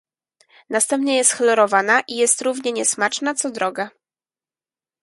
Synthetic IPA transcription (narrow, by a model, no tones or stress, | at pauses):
nast̪ɛmpɲɛjɛst̪xlɔɾɔvanaʔijɛst̪ɾuvɲɛɲɛsmat͡ʂnat̪sɔd̪ɾɔɡa